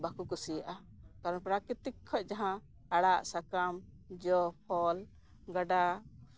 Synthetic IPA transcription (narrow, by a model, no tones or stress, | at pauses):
bakukɔsijaʔa | kaɾɔnpɾakɾit̪ikʰːɔc̚ˀd͡ʒaɦã | aɽaʔsakam | d͡ʒɔpʰɔl | ɡaɖa